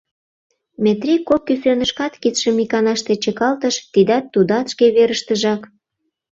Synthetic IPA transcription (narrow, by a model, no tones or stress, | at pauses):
met̪rikop̚ːysønə̆ʃkɑt̪kit̪ʃə̆mikɑnɑʃt̪et͡ɕəkɑlt̪əʃt̪id̪ɑt̪ːud̪ɑt̪ʃkeβeɾəʃt̪əʒɑk